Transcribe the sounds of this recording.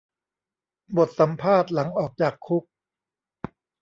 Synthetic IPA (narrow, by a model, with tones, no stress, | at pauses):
bo˨˩t̪̚sa˩˦mpʰaː˥˩t̪̚la˩˦ŋʔɔː˨˩k̚t͡ɕaː˨˩kʰːu˦˥k̚